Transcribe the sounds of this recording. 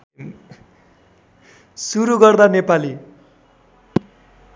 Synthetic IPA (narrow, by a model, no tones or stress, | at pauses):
suɾuɡʌrd̪anepali